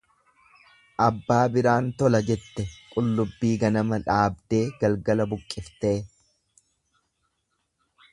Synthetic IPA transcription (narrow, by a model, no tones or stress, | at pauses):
ʔɐbːaːbɪɾaːnt̪ɔlɐd͡ʒɛt̪ːɛkʼʊlːʊbːiːɡɐnɐmɐᶑaːb̚d̪e̞ːɡɐlɡɐlɐbʊkʼːɪft̪e̞ː